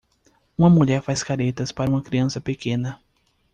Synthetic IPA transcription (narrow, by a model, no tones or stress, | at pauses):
ũmɐmuʎɛɾfajskaɾet̪ɐspaɾɐũmɐkɾiɐ̃sɐpekẽnɐ